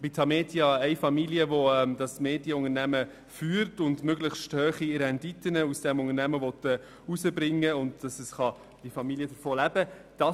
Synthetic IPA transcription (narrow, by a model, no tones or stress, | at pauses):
bit̪ʰɑmeːtjɑɛɪfɑmiljəʋɔɛmdɑsmeːdjəʊŋəɾnæmə | fyːɾtʊndmøɡləχsthøːχiɾɛnditənəusd̥ɛmʊŋənæməʋɔtɛ | usəbɾɪŋːəʊndd̥ɑsəsχɑ | d̥ifɑmiliəd̥əɾfoːlæb̥ə | d̥ɑ